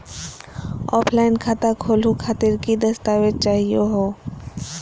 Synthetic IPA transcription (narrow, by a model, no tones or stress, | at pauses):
ɔ̰ːpʰlaːɪnkʰaːt̪akʰoːlukʰaːt̪ɪɾkid̪ɐst̪aːʋed͡ʒ̚t͡ʃaːɦijoɦoː